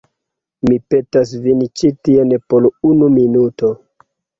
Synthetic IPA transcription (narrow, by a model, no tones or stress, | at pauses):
mipe̞tas̬vint͡ʃitienpolunuminuto̞